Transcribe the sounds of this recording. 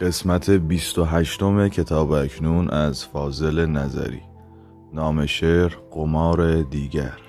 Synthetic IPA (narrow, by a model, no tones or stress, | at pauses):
ɢ̥e̞smæt̪ʰe̞biːst̪o̞ɦæʃt̪o̞me̞cʰe̞t̪ʰɒːbæcʰnuːnʔæzfɒːze̞le̞næzæ̰ɾḭː | nɒːme̞ʃeːɾɢ̥o̞mɒːɾe̞d̪iːɟæ̰ɾ